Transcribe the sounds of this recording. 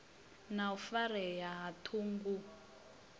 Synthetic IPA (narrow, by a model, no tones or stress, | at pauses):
naufaɾɛjaɦatʰuːŋɡu